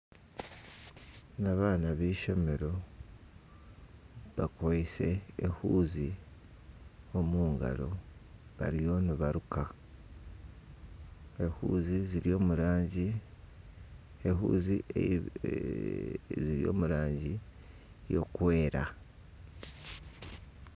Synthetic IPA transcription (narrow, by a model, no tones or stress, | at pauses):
naβaːnaβiːʃo̞me̞ɾo̞ | βakoise̞ːhuːzi | omuːŋɡa̰ɾo̞̰βa̰ɾijo̞nuβaɾukʰa | ehṵːziziɾo̞muɾaɟi | eɦṵːzi | ziɾijo̞̰ːmuɾaːɲɟi | jo̞̰kwe̞ːɾa̰